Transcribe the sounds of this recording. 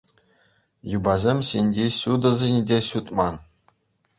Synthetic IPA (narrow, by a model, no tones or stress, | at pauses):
jubɑzʲemʲɕinʲdʲeɕud̪ɤ̆zʲenʲdʲeɕut̪ʼmɑn